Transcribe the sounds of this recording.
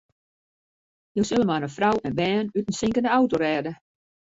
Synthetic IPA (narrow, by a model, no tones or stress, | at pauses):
jowsølˠəmanənfrawɛnbɛːnytən̩sɪŋkəndəawtoɾɛːdə